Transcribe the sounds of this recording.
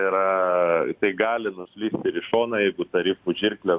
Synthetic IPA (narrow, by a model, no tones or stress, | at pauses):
ɪɾɐt̪ɐɪɡɑːlʲɪnʊsʲlʲiːsʲt̪ʲɪɾʲɪʃoːnɐjɛɪɡʊt̪ɐɾʲiːfuʒʲɪrʲklʲɛ